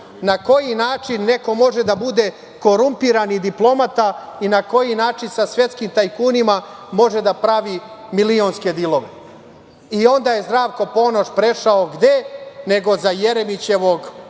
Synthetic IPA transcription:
nako̞jinaːt͡ʂinːe̞ko̞mo̞ʒe̞d̪abud̪e̞ | ko̞ɾumpiɾanid̪iplˠo̞mat̪ainako̞jinaːt͡ʃinsasʋje̞t̪skimt̪ajkuːnimamo̞ʒe̞d̪apɾaʋimilio̞nske̞d̪ilˠo̞ʋe̞̰ | io̞nd̪aːje̞zd̪ɾaːʋko̞po̞no̞ʃpɾe̞ʃaoɡd̪e̞ne̞ɡo̞zajeɾemit͡ɕe̞ʋo̞ɡ

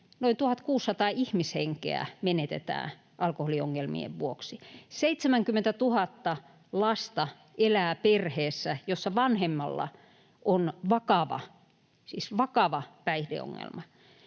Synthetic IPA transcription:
noint̪uhɑt̪kuːsːɑt̪ɑːihmisheŋkḛæ̰menet̪ḛt̪æ̰ː | ʔɑlkoholioŋːelmḭḛʋʋuoksiseit̪semæŋkymːent̪æt̪uhɑt̪ːɑ | lɑst̪ɑ | ʔelæːperheːsːæjosːɑʋɑnhemːɑlːɑ̰ | ʔonʋɑkɑʋɑ̰ | sisʋɑkɑʋɑpæihdḛo̰ŋːḛlmɑ

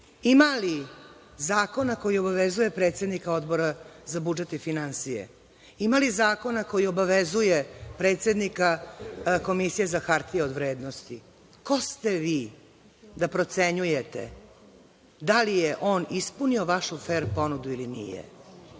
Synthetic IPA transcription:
imali | zaːko̞nako̞jio̞baʋezuje̞pɾet̪se̞d̪nikao̞d̪bo̞ɾazabud͡ʒet̪ifinansijḛ | imalizaːko̞nako̞jio̞baʋezujepɾeːt̪sed̪nika | ko̞misijezaxaɾt̪ijeo̞d̪ʋɾeːd̪no̞st̪i | ko̞st̪e̞ʋiː | d̪apɾo̞t̪se̞ɲuje̞t̪ḛ | d̪alijeʔo̞ːnispunio̞ʋaʃufeɾpo̞nud̪uilinḭjḛ

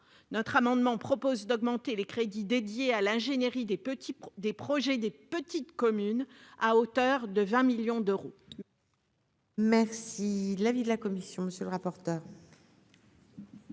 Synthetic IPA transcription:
nɔt̪χamɑ̃d̪mɑ̃pχɔpozd̪ɔɡmɑ̃t̪elekχed̪id̪ed̪jealɛ̃ʒeneʁid̪ed̪epχɔʒɛd̪epət̪it̪kɔmynaot̪œʁd̪əvɛ̃miljɔ̃d̪øʁo | mɛʁsilavid̪əlakɔmisjɔ̃məsjøləʁapɔʁt̪œːʁ

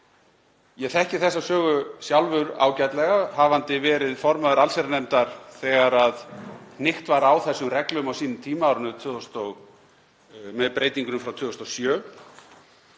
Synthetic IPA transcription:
jɛɣθɛhcɪθɛsːasœːɣʏsjawlvʏɾa̰ːwcajt̪lɛɣahavant̪ɪvɛːɾɪðfɔɾmaðʏɾalsɛɾanemt̪aɾ̥θɛɣaɾaðnɪht̪vaɾawθɛsːʏmrɛklʏmawsiːnʏmt̪ʰiːmaawɾʏnʏt̪ʰʏːðɔst̪ɔɣ | mɛðpɾejt̪iŋkʏnʏmfɾawt̪ʰʏːðɔst̪ɔwsjœː

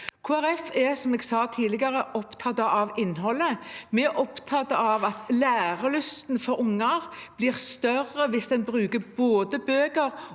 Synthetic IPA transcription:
kʰuːæɾɛfɛsɔmeːɡsɑːt̪ʰiːlɪɡɑɾəʔɔpt̪ʰɑt̪ːəʔɑʋɪnːɦɔlːəmɛʔɔpt̪ʰɑt̪ːəɑʋɑt̪læːɾəlʏst̪nfɔɾʊŋːɑʁb̥liːʁst̪œɾəʋɪsd̪ɛnbɾʉːkəboːd̪əbøːɡəɾ

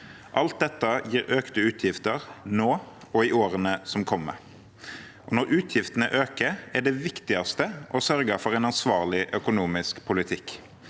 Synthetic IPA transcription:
ʔɑlt̪̚d̪ɛt̪ːəjiːɾøːkt̪əʉːt̪ʰjɪft̪əʁnoːɔɪʔoːɾənəsɔmkʰɔmːə̰ | ʔɔnɔɾʔʉːt̪ʰjɪft̪ənə̰ʔøːkəɛɖɛʋɪkt̪ɪɑst̪əʔɔsœɾɡəfɔʁɛɪnɑnsʋɑːʁlɪʔœkʊnuːmɪskpʰʊlɪt̪ʰɪk

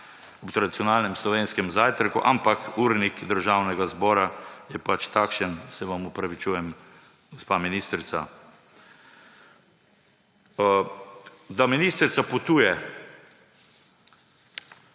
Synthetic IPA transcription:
ɔpt̪ɾaɐd̪it̪sjɔnaːlnɛmslɔʋeːnskɛmzaːjt̪ɾakuʔampakuɾnikd̪əɾʒawnɛɡazbɔːɾajɛpat͡ʃt̪akʃənsɛʋamupɾaʋit͡ʃuːjɛm | ɡɔspaːminiːst̪ɾit̪sa | d̪aminiːst̪ɾit̪apɔt̪uːjɛ

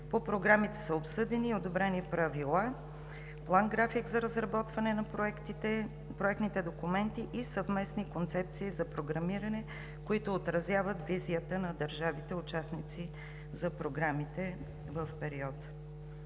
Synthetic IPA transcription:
popɾoɡɾamit̪ɛ̥səopsɤd̪ɛniod̪obɾɛnipɾɐvilˠa | plˠaŋɡɾafiɡzɐɾəzɾɐbɔt̪vɐnɛnɐpɛkt̪it̪ɛ | pɾoɛkt̪nit̪ɛd̪okʊmɛnt̪iʔisəvmɛsnikont̪sɛp̚t̪siːzɐpɾoɡɾɐmiɾɐnɛ | koit̪ʊːt̪ɾɐzʲjavət̪viziət̪ənɐd̪əɾʒavit̪ɛʊt͡ʃasnit̪si | zɐpɾoɡɾamit̪ɛ | vəfpɛɾiɔt̪

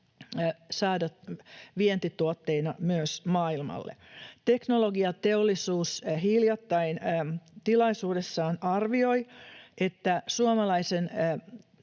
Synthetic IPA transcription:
sɑːdɑt̪ʋient̪it̪uot̪ːeinɑmyøsmɑːilmɑ̰lːḛt̪e̞knoloɡiɑt̪eolːisuːsɦiljɑt̪ːɑint̪ilɑisuːdesːɑːnɑrʋio̞iʔet̪ːæsuomɑlɑisen

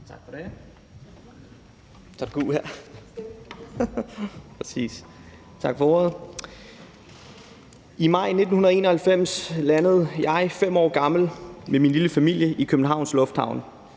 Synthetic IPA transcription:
t͡sʰɑɡ̥fɒd̥e | t͡sʰɑ̥̈ɡ̥ṵhæɐ | pʰʁɛsḭːs | t͡sʰɑ̈ɡ̥fɒɔð̩ˠ | imɑ̈ɪ̰ne̝d̥n̩hunɐð̩ˠe̝ːnɐ̽hælfem̰slænəð̞̩ˠjɑ̈ɪfem̰ɒ̰ːɡ̥ɑ̈ml̩meminliləfæmil̰jəʔikʰøb̥n̩ɦɑ̈ʊnslɔ̽fd̥hɑ̈ʊn

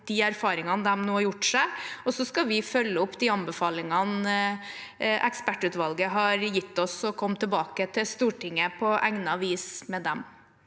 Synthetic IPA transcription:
d̪̥iæɾfɑːɾɪŋɑnd̪ɛmnuːhɑɾjʊʈːʂæɪɔsɔskɑʋɪfœlːəʊpːd̪ɪɑnbəfɑːlɪŋɑn | ʔɛ̰kspæʈːʉːt̪ʋɑlɡəɦɑɾjɪt̪ːɔsɔkʰɔmːt̪ʰəbɑːkət̪ʰɪlst̪uːʈɪŋːəpʰɔʔæŋnəɑʋiːsmɛd̪ɛm

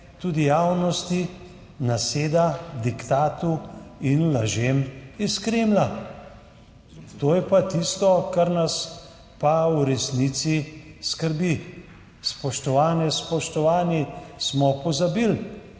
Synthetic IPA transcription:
t̪ud̪ijaːwnɔst̪i | naseːd̪ad̪ikt̪aːt̪uinlaʒemiskɾeːmla | t̪oːjɛpat̪ist̪ɔkaɾnas | pawɾɛsnit̪siskəɾbi | spɔʃt̪ɔʋaːnɛspɔʃt̪ɔʋaːnismɔpɔzabil

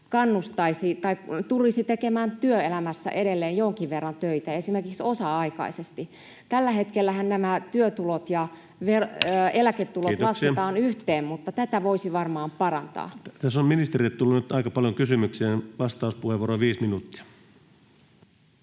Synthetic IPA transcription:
kɑnːust̪ɑisit̪ɑikt̪ulːisit̪ekemæːnt̪yøelæmæsːæ̰ʔeɾelːeːjjoŋkiʋʋerːɑnt̪øit̪æesimerkiksosɑɑikɑ̰isest̪i | t̪ælːæhet̪kelːæhænnæmæt̪yøt̪ulot̪jɑ | ʋerøelæket̪ːulot̪lɑsset̪ɑːnyht̪eːmmut̪ːɑt̪æt̪æʋoisiʋɑrmɑːmpɑrɑnt̪ɑ̰ːt̪æsomminist̪eriet̪t̪ulːunyt̪ɑikɑpɑljoŋkysymykseːnʋɑst̪ɑˑuspuheʋuoːɾoʋiːsminut̪ːi̥ɑ̥

